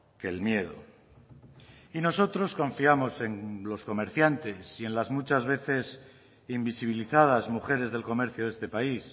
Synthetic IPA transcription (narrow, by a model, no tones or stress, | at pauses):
kelmje̞ð̞o̰ | ino̞so̞t̪ɾo̞skõ̞ɱfiamo̞se̞ŋlo̞sko̞me̞ɾθjant̪e̞sie̞nlazmut͡ʃazβe̞θe̞s | imbisiβ̞iliθað̞azmuxe̞ɾe̞zð̞e̞lko̞me̞ɾθjoðe̞st̪e̞pais